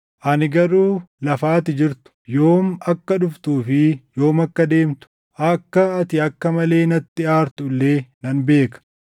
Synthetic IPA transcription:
ʔɐnɪɡɐɾuːlɐfaːt̪ɪd͡ʒɪɾt̪ʊ̥jo̞ːmɐkːɐᶑʊft̪uːfɪjo̞ːmɐkːɐd̪e̞ːmt̪ʊ̥ | ʔɐkːɐːt̪ɪɐkːɐmɐle̞ːnɐt̪ːɪaːɾt̪ʊlːeːnɐnbe̞ːkɐ̥

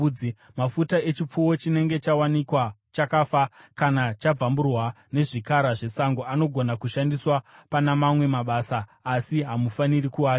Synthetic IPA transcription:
i | mafutae̞t͡ʃip͡fuwo̞t͡ʃine̞ŋɡe̞t͡ʃawanikwat͡ʃakafakanat͡ʃab͡vamburwa | ne̞ʐikaɾaʐe̞saŋɡoano̞ɡʱo̞nakuʃandiswapanamamwe̞maɓaːsaːsiɦamufaniɾikuaː

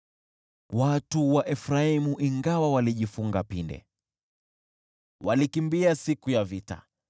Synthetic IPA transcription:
watuwaʔɛfɾaimuʔiŋɡawawaliʄifuŋɡapindɛ̰ | walikimbiasikujavita̰

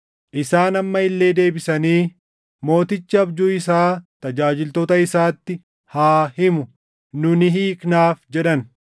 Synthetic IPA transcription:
ʔɪsaːnɐmːɐɪlːe̞ːd̪e̞ːbɪsɐniː | mo̞ːt̪ɪt͡ʃːɪɐbd͡ʒuːɪsaːt̪ɐd͡ʒaːd͡ʒɪlt̪oːt̪ɐɪsaːt̪ːɪ | haːhɪmʊ | nʊnɪɦiːknaːfd͡ʒɛᶑɐn

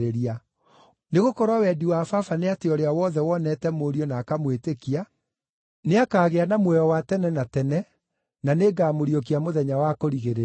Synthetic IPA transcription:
ɾeɾia | neɣokɔɾwawɛdiwafafaneateɔɾeawɔðɛwɔnɛtɛmoːɾiɔnaːkamwetekia | neakaːɣeanamwɛjɔwatɛnɛnatɛnɛ | naneːɡaːmoɾiok̬iamoðɛɲawakoɾiɣeɾe

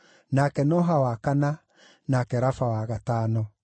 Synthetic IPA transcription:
nakɛnɔɦawakana | nakɛɾafawaɣatanɔ

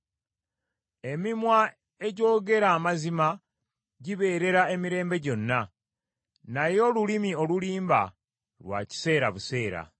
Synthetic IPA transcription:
e̞mimwa | e̞ɟo̞ːɡe̞ɾaːmazima | ɟiβe̞ːɾe̞ɾae̞miɾe̞ːmbe̞ɟo̞nːa | najo̞lulimio̞luliːmba̰ | lwa̰ːci̥se̞ːɾaβuse̞ːɾa̰

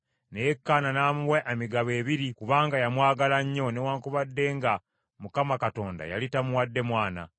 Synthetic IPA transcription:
nejekːaːnanaːmuweʔemiɡaβe̞ːβiɾikuβaːŋɡajamwaːɡalaɲːo̞newaːŋkuβadːe̞ːŋɡa | mukamakato̞ːnda̰ja̰litamuwadːe̞mwaːna̰

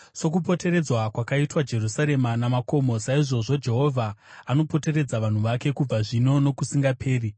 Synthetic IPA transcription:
so̞k̬upo̞te̞ɾe̞d͡zwakwakaitwad͡ʒe̞rusaɾe̞manamako̞mo̞saiʐo̞ʐo̞d͡ʒe̞ɦo̞vʱaano̞po̞te̞ɾe̞d͡zaʋan̤uʋake̞kub͡vaʐino̞no̞kusiŋɡapʰe̞ːri

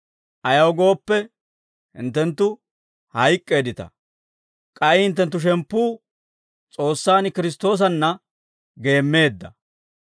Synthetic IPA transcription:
ʔɐjɐwɡo̞ːpːɛ | hɪ̰nt̪ːɛnt̪ːʊ | hɐjkʼːe̞ːd̪ɪt̪ɐ̰ | kʼɐjhɪnt̪ːɛnt̪ːʊʃ̬ɛmpːuː | t͡sʼo̞ːsːaːnkɪɾɪs̬t̪o̞ːs̬ɐnːɐ | ɡe̞ːmːe̞ːd̪ːɐ̰

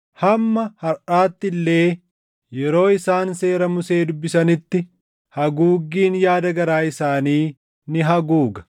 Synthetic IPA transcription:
hɐmːɐhɐɾʔaːt̪ːɪlːe̞ː | jɛɾo̞ːɪsaːnse̞ːɾɐmʊse̞ːd̪ʊbːɪsɐnɪt̪ːɪ | hɐɡuːɡːiːnjaːd̪ɐɡɐɾaːɪsaːniː | nɪɦɐɡuːɡɐ̥

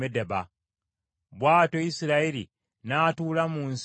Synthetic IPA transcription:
edeba | βwaːto̞jisiɾaiɾḭ | naːtuːlamuːns

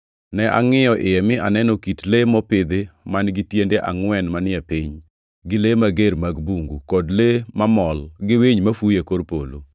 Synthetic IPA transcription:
nɛʔa̰ŋɪjɔʔɪjɛmɪʔanɛnɔkitlemɔpɪd̪emanɡɪtjendeʔa̰ŋwɛnmanɪɛpiɲ | ɡɪlemaɡeɾmaɡbuŋɡukɔdlemamɔlɡɪweɲmafujekoɾpolo̰

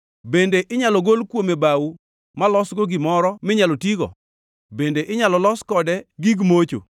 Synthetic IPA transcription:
bendeʔɪɲalɔɡolkwomebawu | malɔsɡoɡɪmɔɾɔmɪɲalotiɡɔ̰ | bendeʔɪɲalɔlɔskɔdɛɡiɡmot͡ʃo̰

